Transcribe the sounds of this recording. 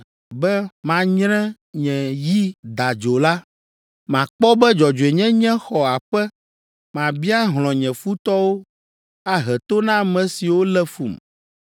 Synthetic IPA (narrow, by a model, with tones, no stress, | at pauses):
bɛ˦mã˨ɲɾɛ̃˦ | ɲɛ̃˨ji˦d̪a˨d͡ʒo˨la˦ | mã˨k͡pɔ˦bɛ˦d͡ʒɔ˨d͡ʒo˨e˨ɲɛ̃˦ɲɛ̃˦xɔ˨a˨ɸɛ˦ | mã˨bi˦a˦ɦlɔ̃˨ɲɛ̃˨fu˦t̪ɔ˦wo˦ | a˦ɦɛ˨t̪o˦nã˦mɛ̃˨si˨wo˦lɛ˦fṵ˨m